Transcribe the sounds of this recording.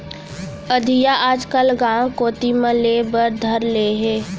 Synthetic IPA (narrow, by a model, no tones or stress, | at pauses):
əd̪ʱijaʔaːd͡ʒkəlɡãːwkoːt̪imə̃leːbəɾd̪ʱɐɾleːɦɛː